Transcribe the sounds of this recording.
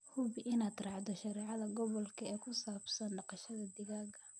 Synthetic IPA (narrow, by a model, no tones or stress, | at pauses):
hʊβɪʔɪnaːd̪rɑːʕd̪ɔʃɐɾɛːʕɑðɐɡɔβɔlkʰɐɛːkʰʊsaːbsɐnɖɑqɑʃɐðɐd̪ɪɣaːɡɐ